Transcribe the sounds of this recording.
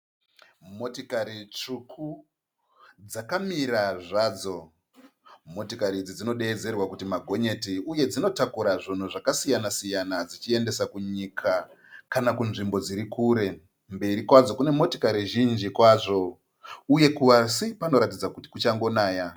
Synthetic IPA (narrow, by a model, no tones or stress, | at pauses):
mo̞tikaɾit͡ʂukʰu | d͡zakamiɾaʐaːd͡zo̞ | mo̞tikaɾid͡zid͡zino̞ɗe̞ːd͡ze̞rwakutimaɡʱo̞ɲe̞tiuje̞d͡zino̞takuɾaʐon̤uʐakasijanasijanad͡zit͡ʃie̞nde̞sakuɲikʰa | kanakunʐimbo̞d͡ziɾikuːɾe̞ | mbiɾikwad͡zo̞kune̞mo̞tokaɾiʒind͡ʒikwaːʐo̞ | uje̞kuʋasipano̞ɾatid͡zakuti̥kut͡ʃaŋɡo̞naːja